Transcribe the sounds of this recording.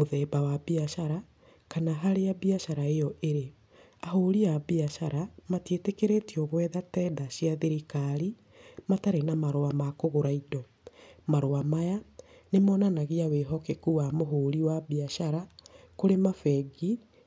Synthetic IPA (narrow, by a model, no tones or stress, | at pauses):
moðɛːbawabiaʃaɾa | kanaɦaɾeabiaʃaɾaejɔʔeɾe | aɦoɾiabiaʃaɾamatietekeɾetiɔɣwɛːðatɛːdaɕiaðeɾikaɾi | mataɾenamaɾoamakoɣoɾaidɔ | maɾoamaja | nemɔnanaɣiaweɦɔkekuwamoɦoːɾiwabiaʃaɾakoɾemafɛɡi